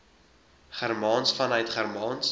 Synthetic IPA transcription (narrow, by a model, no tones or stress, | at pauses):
χærmɑːnsfɐnœɥtχərmɑːns